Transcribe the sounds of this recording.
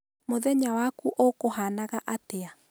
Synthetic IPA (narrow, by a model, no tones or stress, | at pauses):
moðɛɲawakuʔokoɦanaɣaʔatea